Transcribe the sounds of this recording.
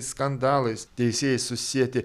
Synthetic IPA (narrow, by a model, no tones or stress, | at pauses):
skɐnd̪ɑːlˠɐɪst̪ʲɛɪsʲeːjɛssʊsʲiɛt̪ʲɪ